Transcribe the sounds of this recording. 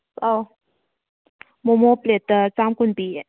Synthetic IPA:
saw | momoplet̪ət͡samkunpi

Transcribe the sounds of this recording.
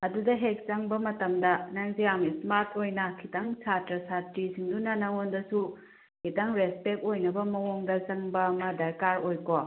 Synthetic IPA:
ɐdudɐɦek̚t͡ʃɐŋbɐmɐtɐmdɐnɐŋzijamismaɾtʰojnɐkʰitɐŋsʰatɾɐsatɾisiŋdunɐnɐŋondɐsu | kʰitɐŋɾespek̚ojnɐbɐmɐwoŋdɐt͡ʃɐŋbɐmɐdɐɾkaɾojko

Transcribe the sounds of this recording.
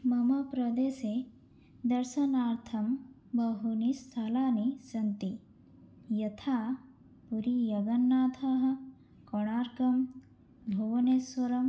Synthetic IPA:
mɐmɐpɾɐd̪eːse | d̪ɐɾʃɐnaːɾt̪ʰɐm | bɐɦunist̪ʰalaːnisɐnt̪i | jɐt̪ʰaː | puɾijɐɡɐnːaːt̪ʰaɦɐ̆ | kɔɽ̃aːɾkɐm | bʱoʋɐneːswɐɾɐm

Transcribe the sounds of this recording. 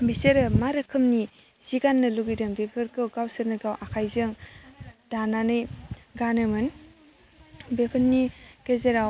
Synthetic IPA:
biseɾɯmaɾakʰɯmni | z̥iɡanːɯluɡidɯŋbepʰɯɾkɯwɡawsɯɾnɯɡawʔakʰajzɯŋ | dananɯjɡanɯmɯn | bepʰɯnniɡ̥ezeɾaw

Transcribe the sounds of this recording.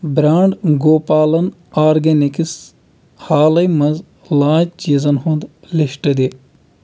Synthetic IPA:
bɾaːɳɖɡoːpaːlɐn | aːɾɡɐnikis | haːlɐjmɐz | laːd͡ʒt͡ʃiːzɐnhũnd̪ | liʃʈɐd̪i

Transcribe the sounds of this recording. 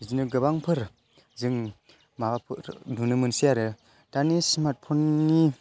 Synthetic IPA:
zinɯɡɯbaŋpʰɯɾ | zɯŋ | mabapʰɯɾdunɯmɯnsiaɾɯ | d̥anismat̚pʰɔnːi

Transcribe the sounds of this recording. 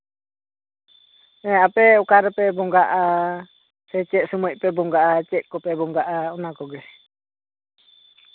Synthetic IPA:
ɛ̃apɛɔkaɾɛpɛbɔŋɡaʔa | sɛt͡ʃɛʔ̪̚sumɔc̚ˀpɛbɔŋɡaʔat͡ʃɛt̪̚ˀkɔpɛbɔŋɡaʔaɔnakɔɡɛ

